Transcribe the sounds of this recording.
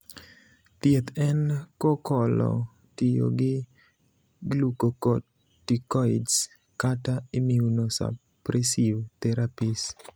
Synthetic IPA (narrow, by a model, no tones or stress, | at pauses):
tiet̪ɛnkokɔlɔ̰ | tɪjo̰ɡɪ | ɡlukoko | tikɔids | kataimiunosa̰ | pɾɛsivt̪ɛɾapis